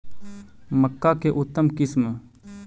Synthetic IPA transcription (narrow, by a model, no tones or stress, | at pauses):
məkːaːkeʔʊt̪ːəmkɪsm